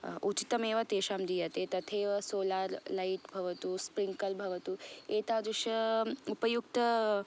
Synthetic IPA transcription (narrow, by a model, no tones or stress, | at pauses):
ʔut͡ʃi̥t̪ɐmeːʋɐt̪eːʃaːmd̪ijat̪et̪ɐt̪ʰeːʋɐsoːlaːɾlaiʈbʱɐʋɐt̪uːspɾiŋkɐlbʱɐʋɐt̪uːeːt̪aːd̪uʂɐupɐjukt̪ɐ